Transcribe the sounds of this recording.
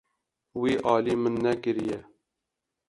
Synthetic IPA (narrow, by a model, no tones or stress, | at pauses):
wiːʔɑːliːmɨnːɛkɨɾijɛ